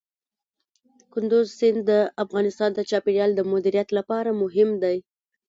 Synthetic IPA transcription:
kʊnd̪ʊzsɪnd̪ːəafɣɑnɪst̪ɑnd̪at͡ʃɑpeɽjɑld̪əmʊd̪iɾijat̪lapɑɾamʊɦɪmd̪aj

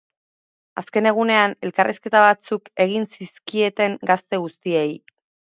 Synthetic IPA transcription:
aske̞ne̞ɣ̞une̞ane̞lkarʔiske̞t̪aβ̞at͡suke̞ɣ̞insiskie̞t̪e̞ŋɡast̪e̞ɣust̪iej

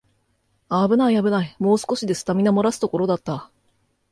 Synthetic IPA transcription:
aːbɯ̟naiabɯ̟naimo̞ːsɨ̥ko̞ɕid̪e̞sɨ̥t̪amʲinamo̞ɾasɨ̥t̪o̞ko̞ɾo̞d̪at̪ːa

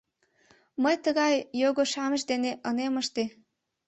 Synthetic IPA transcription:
məjt̪əɣɑjːoɣoʃɑməʃd̪eneʔəneməʃt̪e

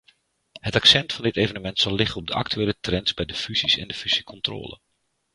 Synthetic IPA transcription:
hətaksɛntfɑndɪtejvənəmɛntsɑlˠːɪχənɔb̚dəʔa̰ktyeːlətrɛnzbɛjdəfyzisɛ̰ndəfyz̥ikʰɔntro̰ːlə̰n

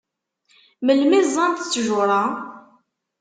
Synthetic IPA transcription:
məlmɪzˤɑnt̪t͡sːʒʊɾˤɑ

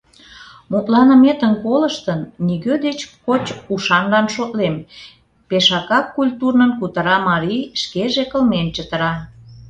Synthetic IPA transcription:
mut̪lɑnə̆met̪ənkoləʃt̪ənːiɣød̪et͡ɕkot͡ɕuʃɑnlɑnʃot̪lem | peʃɑkɑkːulʲt̪urnənkut̪ə̆ɾɑmɑɾiʃkeʒekəlment͡ɕət̪ə̆ɾɑ

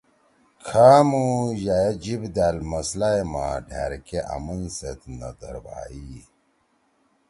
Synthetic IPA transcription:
kʰaːmujajed͡ʑibd̪almɐslajma̰ːɖʱḛɾkeʔa̰munset̪nɐ̰d̪ə̰ɾwa̰ːi

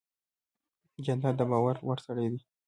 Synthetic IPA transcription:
d͡ʒanad̪əbɑwaɾwəɾsaɽajd̪i

